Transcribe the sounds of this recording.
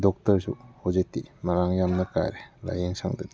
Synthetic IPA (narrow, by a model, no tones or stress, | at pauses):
dɔk̚tɐɾsṵhozetːimaɾaŋjamnɐka̰jɾela̰jeŋsa̰ŋdɯd̪i